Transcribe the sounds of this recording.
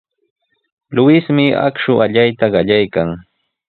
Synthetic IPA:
lʊɪsmɪa̰kʃʊʔaʎajt̪aɢɑʎajkaŋ

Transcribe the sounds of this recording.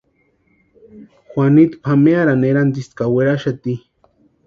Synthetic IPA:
xwanit̪pʰameaɾaneɾant̪ist̪kaweɾaʃat̪i

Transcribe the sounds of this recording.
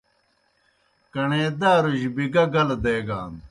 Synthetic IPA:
kɐɳeːd̪aːɾuʑbiɡɐɡɐld̪eːɡaːn

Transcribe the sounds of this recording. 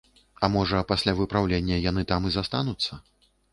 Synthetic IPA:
ɐmɔʐɐpasʲlʲavɨpɾawlʲenʲːɐjan̪ɨt̪amɨzast̪anut̪sːɐ

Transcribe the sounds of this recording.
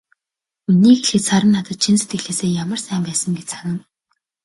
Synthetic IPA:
unːiːxeɮxɘ̆t̪saɾə̆nːat̪ə̆t̪̚t͡ɕʰinset̪̚ɡɘ̆ɮeːseːjamə̆rsæːmpæːsə̆ŋɡet͡ɕsʰaɣʲə̆ŋ

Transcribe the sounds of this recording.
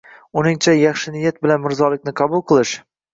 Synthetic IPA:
ʊnɪŋt͡ʃʰajɑχʃɪnɪjat̪̚bɪlanmɪɾzɒlɪk̚ʲnɪqʰɑbʊlˠqʰɨlˠɪʃ

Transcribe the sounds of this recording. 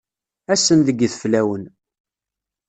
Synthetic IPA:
æsənðəɡːθflæwən

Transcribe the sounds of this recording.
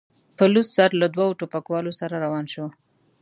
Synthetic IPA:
pəlussaɾlad̪wawoʈopakwɑlosaɾaɾawɑnʃo

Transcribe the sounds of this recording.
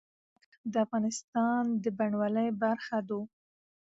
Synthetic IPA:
d̪əafɣɑnɪst̪ɑnd̪əbaɳwaləjbaɾxad̪o

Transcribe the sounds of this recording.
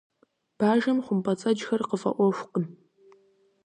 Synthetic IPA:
b̥aːʒɐmχʷʊmpʼɐt͡sʼɐd͡ʒxɐrqəfɐ̰ʔʷɔʃʷqəm

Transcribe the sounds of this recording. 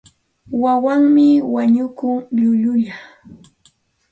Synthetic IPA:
wawaŋmɪwaɲʊkʊŋʎʊʎʊʎa

